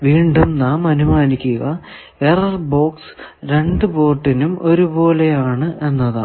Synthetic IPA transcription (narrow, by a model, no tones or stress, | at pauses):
ʋiːɳɖumnaːmɐnumaːnikʲːuɣɐ | erɐrbo̞ːksɾe̞ɳɖɨbo̞ːrʈːinumo̞ɾubo̞ːle̞jaːɳɨʔe̞nːɐða̰ː